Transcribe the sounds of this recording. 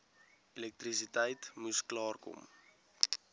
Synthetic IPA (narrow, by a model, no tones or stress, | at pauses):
elɛk̚tris̬itɛjtmusklɑːrkɔ̰m